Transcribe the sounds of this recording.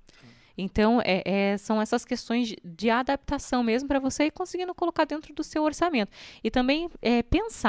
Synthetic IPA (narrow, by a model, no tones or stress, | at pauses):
ẽnt̪ɐ̃w̃ɛʔɛsɐ̃w̃ɛsɐskest̪õj̃zd͡ʒɪad̪ap̚t̪asɐ̃w̃mezmʊpɾɐvoseɪkõsɪɡind̪ʊkolokaɾd̪ẽnt̪ɾʊd̪ʊsewoɾsamẽnt̪ʊɪt̪ɐ̃bẽj̃ɛpẽsa